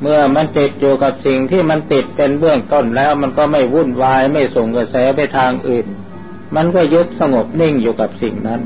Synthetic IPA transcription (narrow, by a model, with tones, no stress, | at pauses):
mɯ˥˩ɐma˧nt̪i˨˩t̪̚juː˨˩ka˨˩p̚si˨˩ŋt̪ʰiː˥˩ma˧nt̪i˨˩t̪̚pe˧nbɯ˥˩əŋt̪o˥˩nlɛː˦˥wma˧nkɔː˥˩ma˥˩jwu˥˩˨nwaː˧jma˥˩jso˨˩ŋka˧sɛː˩˦pa˧jt̪ʰaː˧ŋʔɯː˨˩n | ma˧nkɔː˥˩jɤ˦˥k̚sa˧ŋo˨˩p̚ni˥˩ŋjuː˨˩ka˨˩p̚sḭ˨˩ŋna˦˥n